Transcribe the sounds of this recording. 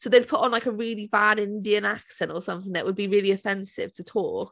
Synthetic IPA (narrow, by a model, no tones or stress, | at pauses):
soʊðeɪd̥̚pʰʊʔn̩laɪkəɹɪːlivadɪ̃ndiə̃naksɛ̃nʔəsʌ̃mθɪ̃ŋðə̰ʔwəd̚biɹɪːliəfɛ̃nsɪ̰v̥tʰətʰɔˑk